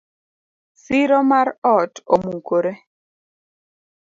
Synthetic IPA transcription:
siɾɔmaɾɔtomuŋkoɾe

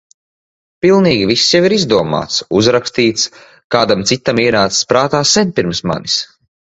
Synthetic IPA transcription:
pilˠniːɡʲivisːjaviɾizd̪uɔma̰ːt̪suzɾakst̪iːt̪s | kaːd̪amt̪sit̪ːamiɛɾaːt̪sspɾaːt̪aːsɛnpiɾmsma̰nis

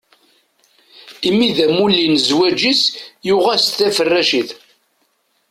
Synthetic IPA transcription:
imiðæmulːinəzwæd͡ʒisjʊʁæsθæfərːæʃiθ

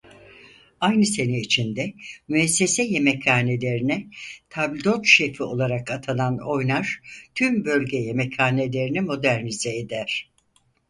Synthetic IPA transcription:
ajnɯse̞niit͡ʃʰind̪ɛmyɛsːe̞sɛje̞mɛcʰaːne̞lʲe̞ɾinɛt̪ʰablʲd̪o̞t̪ʃefio̞̰lˠaɾakat̪ʰanˠano̞jnaɾ̥t̪ʰymbø̞lʲɟeje̞mɛcʰaːne̞lʲe̞ɾinimo̞d̪æɾnizɛːd̪æɾ̥

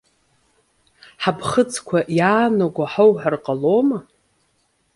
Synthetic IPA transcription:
ħabʰχət͡sʰʼkʷʰaʔjaːnoɡʷaħawħarqʼaloma

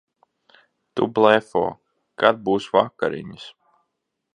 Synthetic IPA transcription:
t̪ublˠɛfɔ̰ː | kad̪̚buːsvakaɾḭɲis

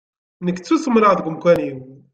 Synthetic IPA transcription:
nəkːt͡sːusəmɾəʁðɡʷəmkʷæliw

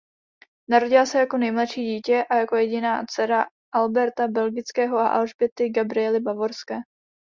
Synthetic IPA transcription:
naɾo̞ɟɪlasɛjako̞nɛjmlatʃiːɟiːcɛʔajako̞jɛɟɪnaːt͡sɛɾa | ʔalbɛɾt̪abɛlɡɪt͡skɛːɦo̞ʔa̰ʔalʒbɛt̪ɪɡabɾɪɛlɪbavo̞ɾskɛː

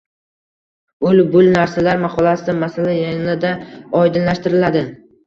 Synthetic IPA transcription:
ʊlbʊlnaɾsalaɾmaqʰɒlˠasɪmasalajajnad̪aɒjd̪ɪnlaʃt̪ɪɾɪlad̪ɪ

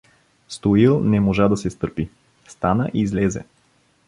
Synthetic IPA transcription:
st̪oilˠnɛmoʒad̪ɐsɛst̪ɤɾpi | st̪anəʔizlɛzɛ̰

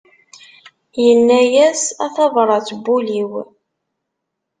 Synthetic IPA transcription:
jənːæjæsæθɑvɾˤɑt͡sːbːuliw

